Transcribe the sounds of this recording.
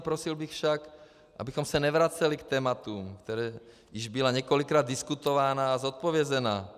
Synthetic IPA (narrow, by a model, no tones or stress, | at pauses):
pɾosilbixfʃak | ʔa̰bixomsɛnɛvɾat͡sɛlikt̪ɛːmat̪umkt̪ɛɾɛː | jɪʒbilaɲɛkolikɾaːd̪diskut̪ovaːnaːzot̪̚povjɛzɛnaː